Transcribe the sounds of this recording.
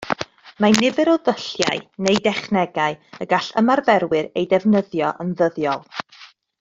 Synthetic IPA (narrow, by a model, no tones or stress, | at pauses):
manɪvɛɾɔðəɬja̰ɨnejdɛχnɛɡaɨəɡaɬəmarvɛɾwɨɾejdɛvnəðjɔʔənðəðjɔlˠ